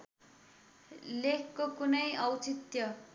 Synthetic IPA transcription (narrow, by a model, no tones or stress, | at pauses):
lekʰkokunʌjʌwt͡sit̪jʌ